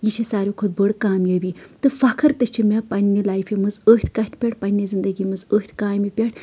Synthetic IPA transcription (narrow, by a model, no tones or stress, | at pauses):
jit͡ʃʰisaːɾʲjokʰod̪̚bəɽkaːmjɐbit̪ɨfɐkʰɨɾt̪ɨt͡ʃʰimʲepɐnʲːilaːjfimɨzəːht̪ʰʲkɐt̪ʲʰpʲeʈ̚ʰpɐnʲːizind̪ɐɡimɨzəːt̪ʰʲkaːjmipʲeʈ̚ʰ